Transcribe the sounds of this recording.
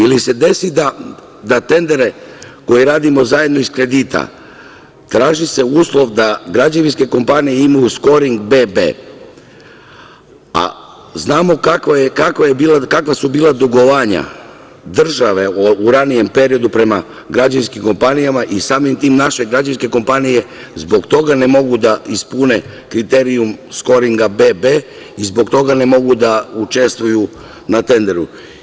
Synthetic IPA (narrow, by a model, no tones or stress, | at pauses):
ilise̞d̪e̞sid̪a | d̪at̪e̞nd̪e̞ɾe̞ko̞jiɾaːd̪imo̞zaje̞d̪no̞iskɾe̞d̪iːt̪ʰa̰ | t̪ɾaːʒise̞uːslˠo̞ʋd̪aɡɾad͡ʒaʋinske̞ko̞mpanijeimajusko̞ɾiŋɡbe̞ːbe̞̰ː | a̰ | znaːmo̞kakʋajekakʋajebiːlakakʋasubiːlˠad̪uɡoʋaːɲa̰ | d̪r̩ʒaʋe̞uɾanije̞mpe̞ɾio̞d̪upɾe̞ma | ɡɾad͡ʑanskimko̞mpanijamaʔisaːmimt̪iːmnaʃe̞ɡɾad͡ʒanske̞ko̞mpanije̞ | zbo̞ɡt̪o̞ɡane̞mo̞ɡud̪aispune̞ | kɾit̪e̞ɾiumsko̞ɾiŋɡabe̞ːbeː | izbo̞kt̪o̞ɡane̞mo̞ɡud̪aut͡ʃe̞st̪ʋuju | nat̪e̞nd̪e̞ɾu